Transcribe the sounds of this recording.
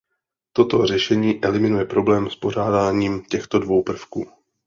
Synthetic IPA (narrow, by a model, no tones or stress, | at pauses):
t̪o̞t̪o̞r̝ɛʃɛɲiːʔɛlɪmɪnujɛpɾo̞blɛːmspo̞ɾ̝aːdaːɲiːmcɛxt̪o̞dvo̞wpr̩fkuː